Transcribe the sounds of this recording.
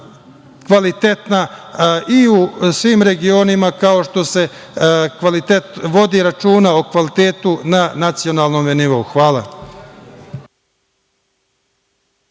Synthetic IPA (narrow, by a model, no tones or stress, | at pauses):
kʋalit̪et̪na | iusʋiːmɾe̞ɡio̞nimakao̞ʃt̪o̞se̞ | kʋalit̪et̪ʋo̞d̪iɾat͡ʃuːnao̞kʋalit̪eːt̪unanat̪sio̞naːlˠnomeniʋo̞uxʋaːla̰